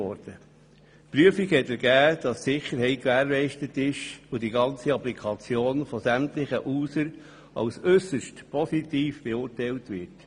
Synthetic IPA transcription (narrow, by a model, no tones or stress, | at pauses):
ɔɾd̥ə | pɾyəfikhɛtɛɾɡ̥æːd̥ɑsːɪχəɾɦɛɪt̚kʋæːɾlɛɪʃtətɪʃodiɡɑnt͡siɑplikʰɑt͡sjoːnfɔsæmtlɪχəʔuːsəɾ | ɑ̰wsʏsəʃtpʰɔsitiːfb̥eʊːɾtɛɪltʋɪɾt